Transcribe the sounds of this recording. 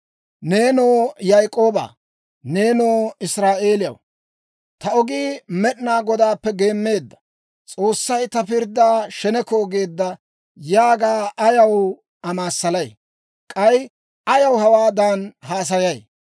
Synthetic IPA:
ne̞ːnoːjajkʼo̞ːba̰ː | ne̞ːnoːɪsɾaːʔe̞ːlɪjɐ̰w | t̪ɐɔɡiːmɛɗnaːɡɔd̪aːpːɛɡe̞ːmːe̞ːd̪ːɐ̥ | t͡sʼo̞ːsːɐjt̪ɐpɪɾd̪ːaːʃɛnɛkoːɡeːd̪ːɐ | jaːɡaːʔɐjɐw | ɐmaːsːɐlɐj | kʼɐj | ʔɐjɐwhɐwaːd̪anhaːs̬ɐjɐj

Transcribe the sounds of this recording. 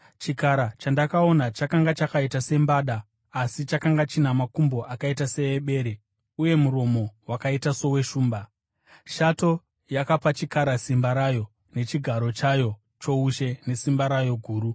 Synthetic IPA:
t͡ʃikaɾat͡ʃandakao̞nat͡ʃakaŋɡat͡ʃakaitase̞mbaːɗaː | sit͡ʃakaŋɡat͡ʃinamakumbo̞ʔakaitase̞eɓe̞ːɾe | uje̞muɾo̞mo̞wakaitaso̞we̞ʃuːmba | ʃato̞ | jakapat͡ʃikaɾasimbaɾajo̞ | ne̞t͡ʃiɡʱaɾo̞t͡ʃajo̞ | t͡ʃo̞uʃe̞ne̞simbaɾajo̞ɡʱuːɾu

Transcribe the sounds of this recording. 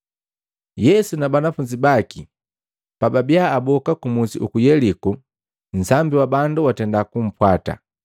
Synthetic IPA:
jɛsunabanafuɲd͡ʒibaki | pababiaːbɔkakumusiʔukujɛliku | n̩zambiwabanduwatɛndakum̩pwata̰

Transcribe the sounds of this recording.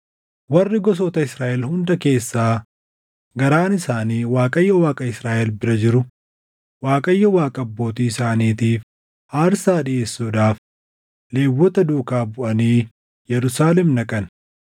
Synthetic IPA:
wɐrːɪɡɔs̬ɔt̪ɐɪsɾaːʔɛlhʊnd̪ɐke̞ːsːaː | ɡɐɾaːnɪsaːniːwaːkʼɐjːɐwaːkʼɐɪsɾaːʔɛlbɪɾɐd͡ʒɪɾʊ | waːkʼɐjːɐwaːkʼɐɐbːo̞ːt̪iːɪsaːniːt̪iːf | haːɾsaːɗɪʔe̞ːsːuːᶑaːf | le̞ːwːɔt̪ɐd̪uːkaːbʊʔɐniː | jɛɾʊsaːlɛmnɐkʼɐn

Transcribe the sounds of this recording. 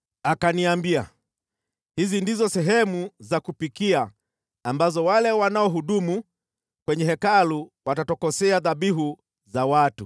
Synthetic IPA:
akaniambia | hizindizɔsɛɦɛmuzakupikiaː | mbazɔwalɛwanaɔɦuɗumu | kwɛɲɛɦɛkaluwatatɔkɔsɛaðabiɦu | zawatu

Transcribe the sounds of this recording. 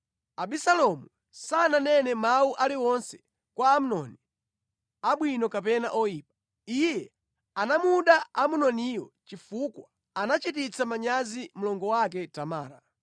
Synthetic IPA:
aɓisalɔmu | sananɛnɛmauʔaliɔnsɛ̥ | kwaːmunɔni | aɓwinɔkapɛna̰ʔɔjiːp̚ḁ | ijɛ | anamuɗaamunɔnijɔt͡ʃifukwa | anat͡ʃitit͡sʰamaɲazim̩lɔŋɡɔwak̬ɛtama̰ːɾa

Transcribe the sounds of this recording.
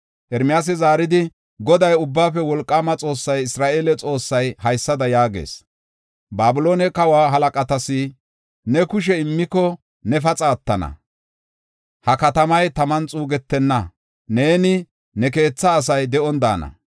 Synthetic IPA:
ʔɛɾmɪjaːs̬ɪzaːɾɪd̪ɪ | ɡɔd̪ɐjʊbːaːfɛwɔlkʼːamɐt͡sʼo̞ːsːɐjɪsɾaːʔeːlɛt͡sʼo̞ːsːɐjhɐjsːɐd̪ɐjaːɡḛːs | baːbɪlo̞ːnɛkɐwaːɦɐlɐkʼɐt̪ɐsɪ | nɛkʊʃ̬ɛɪmːɪkɔ | nɛfɐt͡sʼaːt̪ːɐnɐ̰ | hɐkɐt̪ɐmɐjt̪ɐmɐnt͡sʼuːɡɛt̪ːɛnːɐ | ne̞ːnɪ | nɛke̞ːt͡sːɐːsɐjd̪ɛɔnd̪a̰ːnɐ̰

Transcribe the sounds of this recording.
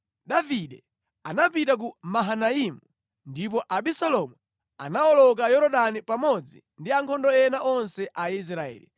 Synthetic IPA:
ɗaviɗɛ | anapitak̬umaɦanaimu | ndip̬ɔʔaɓisɔlɔmu | a̰naɔlɔk̬ajɔɾɔɗanipamɔd͡zḭ | ndiaŋkʰɔndɔɛnaʔɔnsɛʔais̬ɾaɛ̰ːlḭ

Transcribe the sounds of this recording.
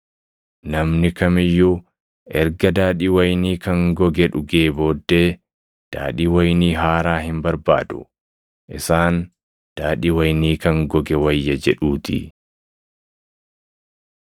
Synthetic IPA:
nɐmnɪkɐmɪjːʊ | ʔɛɾɡɐd̪aːᶑiːwɐjniːkɐŋɡɔɡɛᶑʊɡe̞ːbo̞ːd̪ːeː | d̪̥a̰ːᶑiːwɐjniːɦaːɾaːhɪmbɐɾba̰ːd̪ʊ̰ | ʔɪsaːn | d̪̥aːᶑiːwɐjniːkɐŋɡɔɡɛwɐjːɐd͡ʒɛᶑuːt̪ʰɪ̰

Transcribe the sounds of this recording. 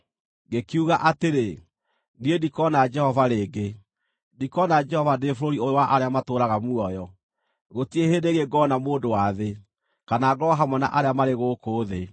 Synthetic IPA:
ɡekiuɣaʔateɾe | niendikɔnad͡ʒɛhɔvaɾeːɡe | dikɔnad͡ʒɛhɔvadefoɾoɾioowaʔaɾeamatoːɾaɣamuɔjɔ | ɣotiehedeɣeɡɔːnamoːdowaðe | kanaːɡɔɦamwɛna̰ʔaɾeamaɾeɣoːkoːðe

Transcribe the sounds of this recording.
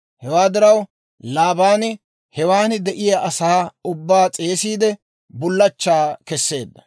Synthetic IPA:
hɛwaːd̪ɪɾɐw | laːbaːn | hɛwaːnd̪ɛʔɪjaʔɐsaːʊbːaːt͡sʼe̞ːsiːd̪ɛ | bʊlːɐt͡ʃːaːkɛsːe̞ːd̪ːɐ

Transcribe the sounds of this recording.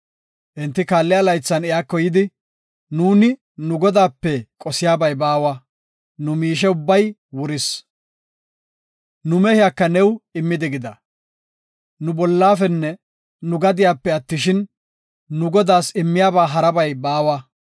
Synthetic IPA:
ʔɪnt̪ːɪkaːlːɪɐlɐjt͡sːɐnɛjaːkːɔjɪd̪ɪ | nuːnɪ | nʊɡɔd̪aːpːɛkʼɔsɪjaːbɐjbaːwɐ | nʊmiːʃ̬ɛʊbːɐjwʊɾɪs | nʊmɛhɪjakːɐnɛwɪmːɪd̪ɪɡɪd̪ɐ | nʊbɔlːaːfɛnːɛ | nʊɡɐd̪ɪjaːpːɛɐt̪ːɪʃɪnː | ʊɡɔd̪aːsɪmːɪjaːbaːɦɐɾɐbɐjbaːwɐ

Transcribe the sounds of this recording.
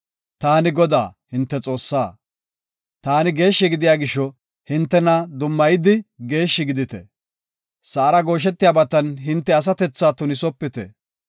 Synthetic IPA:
t̪aːnɪɡɔd̪a̰ːhɪnt̪ːɛt͡sʼo̞ːsːaː | t̪aːnɪɡe̞ːʃːɛɡɪd̪ɪjaːɡɪʃːɔ | hɪnt̪ːɛnɐd̪ʊmːɐjɪd̪ɪɡe̞ːʃːɪɡɪd̪ɪt̪ɛ̰ | sɐːɾɐɡo̞ːʃ̬ɛt̪ːɪjaːbɐt̪ːɐnɦɪnt̪ːɛɐs̬ɐt̪ɛt͡sːaːt̪ʊnɪsɔpːɪt̪ɛ̰

